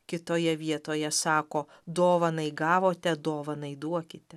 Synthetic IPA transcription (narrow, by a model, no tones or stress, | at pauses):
kʲɪt̪oːjɛʋʲiɛt̪oːjɛsɑːkoː | d̪oːʋɐnɐɪɡɑːʋoːt̪ʲɛd̪oːʋɐnɐɪd̪uɔkʲɪt̪ʲɛ